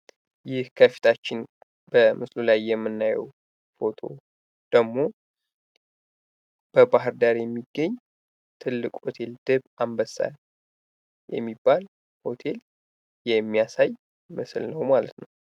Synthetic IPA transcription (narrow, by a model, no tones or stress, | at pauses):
jɪhkʰəfi̥t̪ʰat͡ʃːɪn | b̥əmɨslulajːɛmːɨnːajɛ̰w | fo̞t̪ʰo̞̰ | d̪̥əɡmo̞ | b̥əbaɦɨɾd̪aɾjɛmːiɡːəɲː | t̪ʰɨlːɨkʼho̞t̪ʰe̞ld̪̥ɨβambəsːa̰ | jɛ̰mːibːal | ho̞t̪ʰe̞l | jɛmːijasaj | mɨslnəwmalət̪nəw